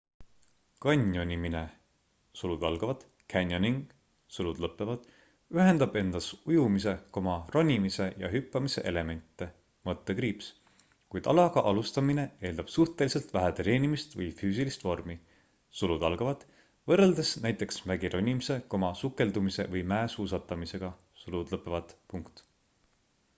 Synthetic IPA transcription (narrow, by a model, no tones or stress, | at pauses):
kɑnʲjo̞nʲimine̞ | sulud̪̥ɑlɡ̥ɑvɑd̪̥ | kʰænʲjoniŋɡ̥ | sulud̪̥lɤpːˑevɑd̪̥ | yɦe̞nd̪ɑb̥e̞nd̪̥ɑsujumise̞ko̞mɑro̞nʲimise̞jɑ̰ɦypːɑmise̞̰ʔe̞le̞me̞nʲt̪ːˑe̞ | mɤt̪ːekriːps | kujd̪̥ɑ̰lɑɡ̥ɑʔɑlust̪ɑmine̞e̞ːld̪ɑb̥suht̪e̞lise̞lt̪væɦæt̪eɾe̞ːnimist̪vɤjfyːs̬ilist̪vo̞rmi | sulud̪̥ɑlɡ̥ɑvɑd̪̥ | vɤrːeld̪e̞snæjt̪ːˑe̞ksmæɡiɾo̞nʲimise̞ko̞mɑsukːe̞ld̪umise̞̰vɤjmæesuːs̬ɑt̪ːˑɑmise̞ɡ̥ɑ | sulud̪̥lɤpːˑevɑd̪̥puŋkt̪